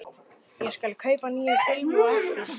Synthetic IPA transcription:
jɛskalkʰœːɥpaniːjafɪlmɾa

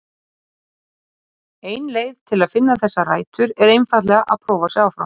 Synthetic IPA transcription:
eːjnleːjðt̪ʰɪlaðfɪnːaθɛsːaraːjt̪ʏɾɛɾejnfat̪lɛɣaʔa̰ðpʰɾɔːvasɛaːwfɾa̰wm

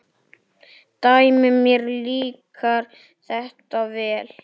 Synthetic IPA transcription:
t̪aːjmʏmjɛɾliːkaɾ̥ | θɛht̪avɛːl

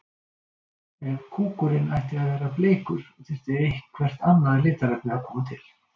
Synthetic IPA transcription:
ɛnkʰuːkʏɾɪnajht̪ɪaðvɛːɾapleːjkʏɾ̥ɔt̪ʰɪr̥t̪ɪehkkʰvɛr̥t̪anːalɪːt̪aɾɛpnɪaðkʰɔːmat̪ʰɪl

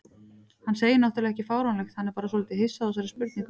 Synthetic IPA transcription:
hanseːjɪnɔht̪ʏɾlɛɣɛcɪfaːwɾanlɛxt̪hanːɛɾpaːɾas̬oːlɪːt̪ɪɦɪsːaðas̬aɾɪspʏɾt̪niŋk

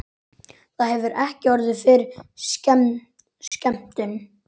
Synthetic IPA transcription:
θaðhɛvʏɾɛhcɪɔɾðʏfɪɾscɛ | scɛm̥t̪ɪn

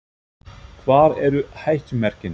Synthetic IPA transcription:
kʰvaːɾɛɾʏhajhcʏmɛɾ̥cɪn

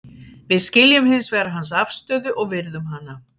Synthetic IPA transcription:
vɪðscɪljʏmhɪnsvɛɾaɦans̬afst̪œːðʏʔɔɣvɪɾðʏmɦanːa

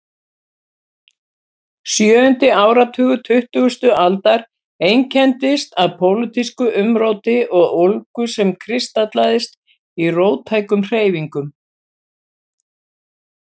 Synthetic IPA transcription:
sjœːʏnt̪ɪaːwɾat̪ʰʏːɣʏt̪ʰʏht̪ʏɣʏst̪ʏalt̪aɾ | ejŋcʰɛnt̪ɪst̪aðpʰowlɪt̪iskʏʔʏmɾoːwt̪ɪʔɔɣowlkʏsɛmkʰɾɪst̪at̪laːðɪst̪ | iroːwt̪ʰaːjkʏmr̥eːjviŋkʏm

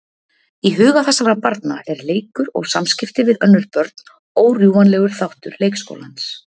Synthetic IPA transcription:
iɦʏːɣaθɛsːaɾapaɾt̪na̰ɛɾleːjkʏɾɔ̰ɣsamscɪft̪ɪvɪðœnːʏɾpœɾt̪n | oːwrjuːanlɛːɣʏɾ̥θawht̪ʏ̰ɾleːjksko̰ːwlans

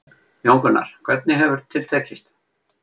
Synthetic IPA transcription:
jowŋkʏna̰ɾ̥kʰvɛt̪̚nɪɦɛvvʏɾ̥t̪ʰːɪl̥t̪ʰɛːcist̪

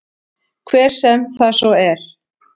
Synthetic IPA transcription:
kʰvɛːɾ̥sɛmθasɔɛɾ̥

